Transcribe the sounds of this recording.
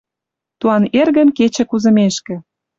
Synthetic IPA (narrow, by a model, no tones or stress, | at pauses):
t̪uɑnerɣə̆mket͡ɕĕkuzə̆meʃkĕ